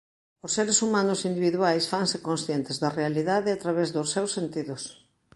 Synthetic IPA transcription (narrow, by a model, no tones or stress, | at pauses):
ʊsːeɾesumãnʊsind̪iβiðuajsfaŋsekõnsθjent̪ɪzðɐrealiðaðɪat̪ɾaβɛzðʊsːewsːent̪iðʊs